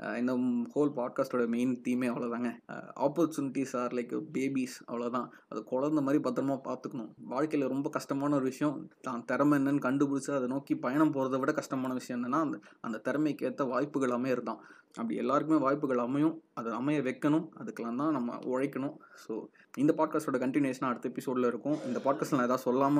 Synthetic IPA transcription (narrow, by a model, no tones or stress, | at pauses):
ɪnd̪ɐhoːlpaːɖ̚kaːsʈoːɽɐɐmeɪnt̪iːmeːɐʋɐɭoːt̪aːŋɡɐa̰ːpːɔɾt͡ʃuːnɪʈːisaːɾlɐɪkːɯbeːbisɐ̰ʋɐɭoːt̪ãː | ɐ̰ðɯkɔɭɐɾnd̪ɐmaːd̪ɾipɐt̪ːɯɾɐmaːpaːɾt̪ɯkːɐɳʊ̃ʋaːɻkɐɪlɐɾɔmbɐkɐʂʈɐmaːnɐɔɾɯʋɪʂɐjɐ̃t̪ãːnt̪ɛɾɐmɛnːɐnːɯkɐɳɖɯpʊɽɪt͡ʃːaɐðɯnoːkipɐjɐɳɐmpoːɾɐðɐʋɪɽɐkɐʂʈɐmaːnɐʋɪʂɐj̃ɛnːɐnːaːʔɐnd̪ɐt̪ɛɾɐmɐɪkːeːt̪ːɐʋaːjpːɯɣɐɭaːmeːɪɾɯnd̪ã̰ː | ʔɐpːɐɽɪ̰ɛ̰lːaːɾɯk̬ːɯmeːʋaːjpːɯɣɐɭɐmɐjʊ̃ɐðɐɐmɐjɐʋɛkːɐnʊ̃ɐðɯkːɛlːãːnt̪ãːnɐmːɐ̰ʔɔɻɐɪkːɐɳʊ̃soː | ɪnd̪ɐpaːɖ̚kaːsʈoːɽɐkɐɳʈɪnjeːsɐnaːɐɽɯt̪ːɐɛpːɪsoːɖɪlɐɪɾɯkːʊ̃ɪnd̪ɐpaːɖ̚kaːstlãːɛðaːðɯsɔlːaːmɐ